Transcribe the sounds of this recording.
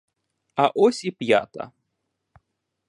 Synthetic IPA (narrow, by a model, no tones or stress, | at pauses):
aʔɔsʲipja̰t̪ɐ̰